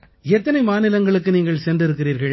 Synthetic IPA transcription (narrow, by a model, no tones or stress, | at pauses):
ɛt̪ːɐnɐɪmaːnɪlɐŋɡɐɭɯkːɯniːŋɡɐɭsɛndrɪɾɯkːɪriːɾɣɐɭ